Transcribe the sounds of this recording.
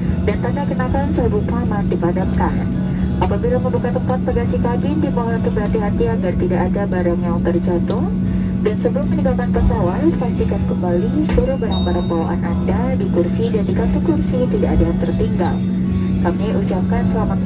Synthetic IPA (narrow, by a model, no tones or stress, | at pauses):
dant̪anakənakansabukamandibadamkan | ʔapabilaməmbukat̪əmpat̪̚pəɡasikaɡɪndimawak̪əbəɾɦat̪iɦat̪iaɡart̪idaʔadabaɾaŋjaŋt̪ərd͡ʒat̪ʊ | dansəbəlʊmpəɲəɡak̪anpəsawalsat̪ikas̚kəmbalisəluɾʊhbəɾapaɾəmbawaʔa̰nanda | dikursidandikat̪ukursit̪idaʔadajaŋt̪ərt̪iŋɡa̰l | kamɲaʔut͡ʃap̚kansəlamat̪̚